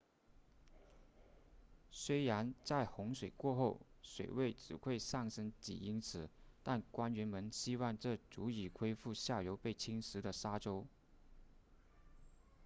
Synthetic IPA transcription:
swe˥ɪɻa˧˥nt͡sa˥˩ɪxʊ˧˥ŋʂwe˨˩ɪkwɔ˥˧xo˥˩ʊswe˨˩ɪwe˥˩ɪʈ͡ʂɻ̩˨˩kwe˥˧ɪsɑ˥˩ŋʂɤ˥ŋt͡ɕḭ˨˩i˥ŋt͡sʰɹ̩˨˩˦t̪a˥˩nkwa˥nɥɛ˧˥nmə˧˥nɕi˥wɑ˥˧ŋʈ͡ʂɤ˥˩t͡su˧˥i˨˩kʰwe˥ɪfu˥˧ɕja˥˩jo˧˥ʊpe˥˩ɪt͡ɕʰi˥ŋʂɻ̩˧˥d̪ə˨ʂa˥ʈ͡ʂo˥ʊ

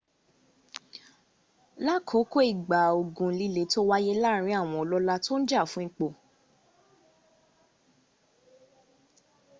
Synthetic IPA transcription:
la˦˨kʰo˨˦ko˦i˦˨ɡ͡ba˨o˨ɡũ˨li˦le˨˦to˦wa˦je˦la˦˨ɾ̃ĩ˧˦a˦˨w̃ɔ̃˧ɔ˨lɔ˦la˦to˦n̩˦d͡ʒa˦˨fũ˦i˦k͡po˦˨

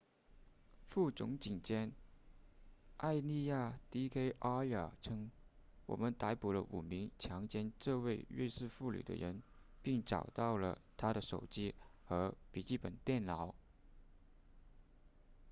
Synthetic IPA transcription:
fu˥˩t͡sʊ˧˥ŋt͡ɕi˨˩ŋt͡ɕjɛ˥n | ʔa˥˧ɪni˥˧ja˥˩t̪i˥kʰe˥ɪʔa˥ə˞˨˩ʈ͡ʂʰɤ˥ŋwɔ̰˨˩mə˦nt̪a˧˥ɪpu˨˩lə̰˦ʔṵ˨˩mi˧˥ŋt͡ɕʰjɑ˧˥ŋt͡ɕjɛ˥nʈ͡ʂɤ˥˧we˥˧ɪɻe˥˧sɹ̩˥˧fu˥˩ly̰˨˩d̪ə̰˦ɻə˧˥npi˥˩ŋʈ͡ʂɑ˨˩ʊt̪ɑ˥˩ʊlə̰˩t̪ʰa˥ɾə˨ʂo˨˩ʊt͡ɕi˥xɤ˧˥pi˨˩t͡ɕi˥˩pə˨˩nt̪jɛ˥˩nlɑ˧˥ʊ

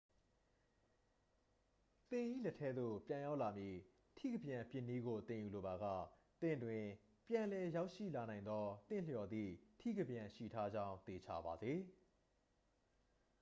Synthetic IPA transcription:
t̪ɪ̃˨ʔḭ˦˨lɛ˦tʰɛ˦d̪ðo̰˦˨pjã˨ja˦ʊʔla˨mji˦˨ | tʰḭ˦˨ɡəbjã˨pjɪ̃˦˨nːi˦ɡo˨t̪ɪ̃˨ju˨lo˨ba˨ɡä̰˦˨ | t̪ɪ̰̃˦˨ndwɪ̃˨ | pjã˨nlɛ˨ja˦ʊʔʃḭ˦˨la˨nã˨ɪ̃nd̪ɔ˦t̪ɪ̰̃˦˨ljɔ˨d̪ðḭ˦˨tʰḭ˦˨ɡə˨bjã˨ʃḭ˦˨tʰa˦d͡ʑã˦ʊ̃nt̪e˨t͡ɕʰa˦˨ba˨ze˨

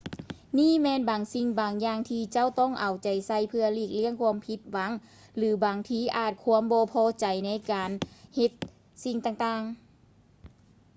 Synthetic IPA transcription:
niː˥˨mɛː˧˨nbaː˨ŋsi˧ŋbaː˨ŋjaː˧ŋt̪ʰiː˧t͡ɕa˧˥˨wt̪ɔ˧˥˩ŋʔa˨˩wt͡ɕa˨˩jsa˧˩jpʰɯ˧ɐ˧liː˧˩k̚li˧˥˩əŋkʰu˧əmpʰi˧˥t̪̚wa˨˦ŋ | lɯː˨˦baː˨ŋt̪ʰiː˧˩ʔaː˨˩t̪̚kʰuː˧əmbɔː˧pʰɔː˧t͡ɕa˨jna˧˥˨jkaː˨nhe˧t̪̚ | si˧ŋt̪aː˧˩ŋt̪aː˧˩ŋ

